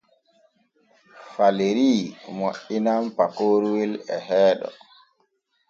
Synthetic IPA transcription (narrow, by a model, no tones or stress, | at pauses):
faleɾiːmoʔinampakoːɾwilɛɦɛːɗɔ̰